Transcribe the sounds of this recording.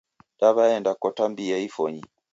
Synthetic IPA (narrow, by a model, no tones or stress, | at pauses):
daβaɛndakɔtambiaifɔɲi